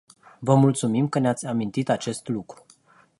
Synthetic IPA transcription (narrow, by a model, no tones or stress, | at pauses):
vəmult̪sumimkəneat̪sʲamint̪it̪at͡ʃe̞st̪lukɾu̥